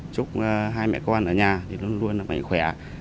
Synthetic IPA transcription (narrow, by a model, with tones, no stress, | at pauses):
t͡ɕʊ˦˥k͡p̚ːɦaː˧jmɛ̰˧˨kə˧wʔa˧nʔəː˧˩ɲaː˨˩t̪ʰi˨˩lu˧ənlu˧ənlaː˨˩mʔa̰˧˨ŋ̟xwɛ˧˩˦